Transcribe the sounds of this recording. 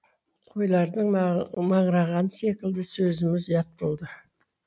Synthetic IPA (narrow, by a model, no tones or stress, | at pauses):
qʰo̞jlˠɑɾd̪əɴmɑɴɾɑʁɑnse̞kʲɪld̪ɪsɵzɪmɪzjɑt̪̚bo̞lˠd̪ə